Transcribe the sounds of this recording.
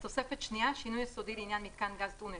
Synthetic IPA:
sosɛfət͡ʃniaʃinujɛsod̪iɾinjanmit̪kanɡazd̪une

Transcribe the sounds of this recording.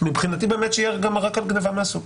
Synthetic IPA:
mibχinat̪ibe̞ːmet̪t͡ʃjaʁɡamaʁakalɡnevameasuk

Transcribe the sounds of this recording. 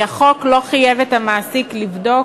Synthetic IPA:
aχo̞klo̞χajevetamaːsiklivdo̞

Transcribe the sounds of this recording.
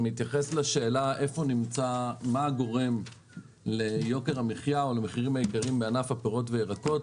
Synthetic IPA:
mit̪jaχeslaʃe̞ːlaʔe̞fo̞nimt͡samaɡo̞ʁe̞m | le̞jo̞ke̞ʁameχjao̞lemeχiʁimhaikaʁimbeanafhapeʁo̞tveːʁako̞t

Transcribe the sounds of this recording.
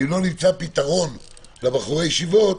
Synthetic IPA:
lo̞nimt͡sapit̪aʁo̞n | lebaχuʁejeʃivo̞

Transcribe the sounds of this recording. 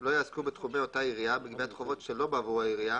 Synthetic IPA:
lo̞jaazkubet̪χumeo̞taiʁijabeɡviat̪χovo̞tʃelo̞baːvuaiʁija

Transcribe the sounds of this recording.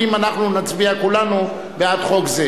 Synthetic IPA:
imanaχnunat͡sbiakulanu | bead̪χo̞kze

